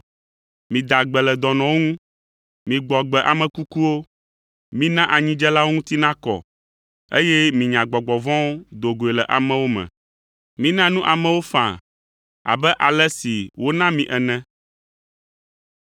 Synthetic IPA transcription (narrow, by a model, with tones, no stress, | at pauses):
mĩ˨d̪a˨ɡ͡bɛ˨lɛ˨d̪ɔ˨nɔ̃˨wo˦ŋũ˦ | mĩ˨ɡ͡bɔ˨ɡ͡bɛ˨ʔa˨mɛ̃˨ku˦ku˦wo˦ | mĩ˦nã˦ʔa˨ɲĩ˦d͡ʒɛ˦la˦wo˦ŋũ˦t̪i˦nã˦kɔ̰˨ | e˦jɛ˦mĩ˨ɲã˨ɡ͡bɔ˨ɡ͡bɔ˨vɔ̃˦wo˦d̪o˨ɡo˨e˨lɛ˨ʔa˨mɛ̃˨wo˦mɛ̰̃˨ | mĩ˦nã˦nũ˦ʔa˨mɛ̃˦wo˦fã̰˨ | a̰˨bɛ˦ʔa˨lɛ˦si˨wo˦nã˦mĩ˨ʔɛ˨nɛ̃˦